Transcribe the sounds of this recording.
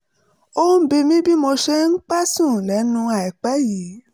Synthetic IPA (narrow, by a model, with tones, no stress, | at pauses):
o˦n̩˦bi˧mĩ˦bi˦mo˧ʃe˧ŋ̩˦k͡pa˦sũ˦˨lɛ˨˦nũ˧a˨i˨k͡pɛ˨˦ji˨˦